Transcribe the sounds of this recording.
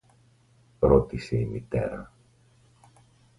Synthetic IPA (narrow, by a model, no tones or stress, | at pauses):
ɾo̞t̪ise̞imit̪e̞̰ɾɐ